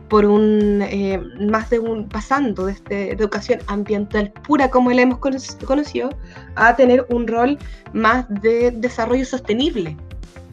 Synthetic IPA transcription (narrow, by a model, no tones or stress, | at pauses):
poɾunemazðeunpasand̪oðest̪eðukasjo̞nambje̞nt̪alpuɾakomoelemoskokonosiðoat̪e̞neɾunro̞lmasðeðe̞saro̞ʝoso̞st̪eniβle̞